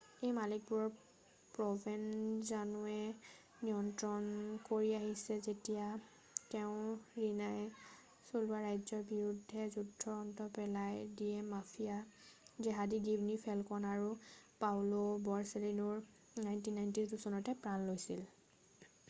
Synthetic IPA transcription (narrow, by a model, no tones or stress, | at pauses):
ejmalik̚buɹɔɹ | pɹɔbʱɛnzanuɛ | nijɔntɹɔnkoɹiaɦisɛzetija | tɛʊ̃ɹinaj | sulbaɹajzɔɹbiɹudʱːɛzudʱɔɔntɔpɛlajdiɛmafʰijazɛɦadiɡibnipʰɛlkɔnaɹupawlɔbɔɹselinɔɹ | najntinːajntisdusɔnɔtɛpɹanlojsil